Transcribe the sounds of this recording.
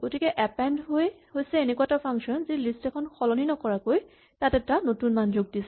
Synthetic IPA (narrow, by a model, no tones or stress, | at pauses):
ɡ̥otikɛʔɛpɛndɦoj | hojsɛenekuatapʰaŋksɔnzilistɛkʰɔnxɔlɔninɔkɔɹakoj | tatɛtanotunmanzoɡ̚disɛ